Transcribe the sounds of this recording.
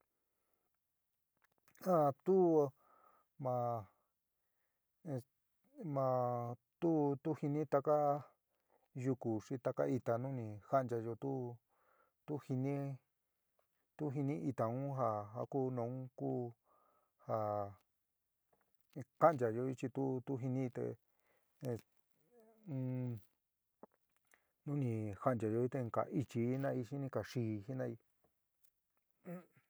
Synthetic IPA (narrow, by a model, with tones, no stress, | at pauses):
ã˧t̪u˦˧ | mã˨˧ | mã˧t̪u˦t̪u˦hi˧nĩ˦t̪a˧ka˦ | ju˧ku˨ʂi˧t̪a˧ka̰˦i˧t̪a˨nũ˦nĩ˧ha˦˨nd͡ʒa˧jo˧t̪u˦ | t̪u˦hi˧nĩ˦ | t̪u˦ɦi˧nĩ˦ʔi˧t̪a˨ũ˦ɦa˧ɦa̰˧˦ku˦nõ˨˦ũ˦ku˦ | ha˨˧ | ka˦nd͡ʒa˨ʒo˧i˦t͡ʃi˧t̪u˦t̪u˦ɦi˧nĩ˦˧t̪ḛ˧ | nũ˦nĩ˧ha˧˦˨nd͡ʒa˨ʒo˧i˦t̪e˧ŋka̰˨ʔi˧t͡ʃi˧i˦nã˦˧i˧ʃi˦nĩ˧ka˨ʂiː˧˨hi˦nã˦i˧˦